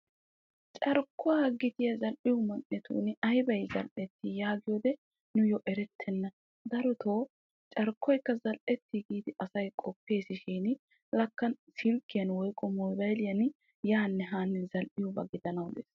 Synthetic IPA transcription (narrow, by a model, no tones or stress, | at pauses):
t͡ʃʼɐɾkʰːʊwaːɡɪt̪ɪjɐzɐlʔɪjʊmɐnʔɛt̪ṵːnɐjbɐjzɐ̰lʔɛt̪ːɪjaːɡɪjoːd̪ɛ | nʊjɔʔɛɾɛt̪ʰːɛnːɐ | d̪ɐɾɔt̪ʰoː | t͡ʃʼɐɾkʰːɔjkːɐzɐlʔɛt̪ːɪɡiːd̪ɪʔɐsɐjkʼɔpːe̞ːsɪʃiːn | lɐkːɐnsɪlkːɪjɐnwɔjkʼɔmɔjbɐjlɪjɐn | jaːnːɛɦaːnːɛzɐlʔɪjɔbɐ̰ɡɪd̪ɐnɐwd̪ḛːs